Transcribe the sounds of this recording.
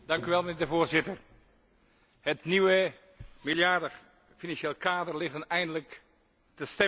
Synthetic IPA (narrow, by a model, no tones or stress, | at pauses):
d̥ɑŋkyʋɛlˠmənɪːɹdəvoːɹzɪtər | hətniʋə | milˠjardə | finɑnʃeːlˠəkaːdərlɪɣənɛjndələk | təstɛ